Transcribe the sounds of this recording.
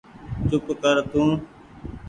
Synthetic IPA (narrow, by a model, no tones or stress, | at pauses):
t͡ʃʊpkəɾt̪ʰũː